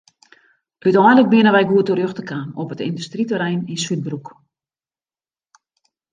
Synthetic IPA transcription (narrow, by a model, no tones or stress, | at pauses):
ʔytɔjnlək̚bɪənəʋɛjɡuətəɾjøxtəkʰaːnɔpətɪndystritəɾɛjninsyt̚bruk